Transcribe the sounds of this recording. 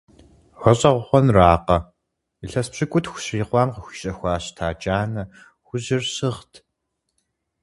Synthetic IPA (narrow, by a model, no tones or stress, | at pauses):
ʁɐɕʼɐʁʷʊχʷɔnraːqɐ | iɬɐspɕɪkʷʼʊtxʷʊ̥ɕriːqʷɑːmqəxʷi̥ɕʼɐxʷaːɕtʰaːt͡ʃʼaːnɐ | xʷʊʑɪrɕɨʁtʰ